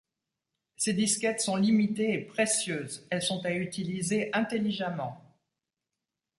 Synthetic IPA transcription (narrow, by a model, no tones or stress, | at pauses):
sed̪iskʲɛt̪sɔ̃limit̪eːpχesjøːzɛlsɔ̃t̪ayt̪ilizeʔɛ̃t̪eliʒamɑ̃